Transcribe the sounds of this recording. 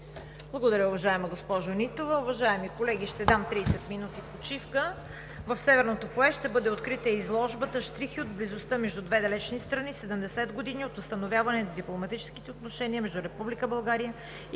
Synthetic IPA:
blˠɐɡod̪ɐɾʲəʊvɐʒaɛmɐɡospɔʒonit̪ovɐʊvɐʒaɛmikolɛɡʲiʃt̪ɛd̪amt̪ɾiːsɛt̪minut̪ipot͡ʃifkə | vɐfsɛvɛɾnot̪ofoɛʃt̪ɛbɤd̪ɛot̪kɾit̪əizlˠɔʒbət̪əʃt̪ɾixiod̪blizost̪əmɛʒd̪ud̪vɛd̪ɐlɛt͡ʃnist̪ɾɐnisɛd̪əmd̪ɛsɛd̪ɡod̪iniot̪vɐst̪ɐnovʲjavɐnɛnɐd̪iplˠomɐt̪it͡ʃɛ̥ski̥t̪ɛot̪noʃɛniəmɛʒd̪uɾɛpublikəbɐlˠɡaɾijə

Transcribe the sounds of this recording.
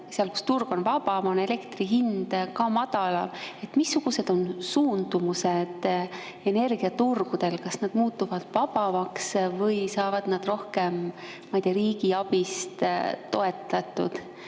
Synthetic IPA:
seɑlku̥st̪urɡ̥o̞nvɑb̥ɑmone̞le̞kt̪riɦind̪̥kɑmɑd̪̥ɑlɑe̞t̪ːˑmisːuɡ̥use̞d̪̥o̞nsuːnd̪̥umused̪̥ | e̞ne̞rɡ̥iɑt̪urɡ̥ud̪̥e̞lkɑsnɑd̪̥muːt̪ːˑuvɑd̪̥vɑb̥ɑvɑksvɤjsɑːvɑd̪̥nɑd̪̥ro̞hke̞mː | ɑjt̪eɑɾiːɡ̥iɑb̥ist̪t̪ːo̞e̞t̪ːˑɑt̪ːˑṵd̪̥

